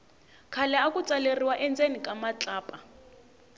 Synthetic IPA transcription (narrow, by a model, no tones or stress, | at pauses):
kʰalɛakʼut͡sʼaleriwaʔɛnd͡zenikʼamat͡ɬʼaːpʼa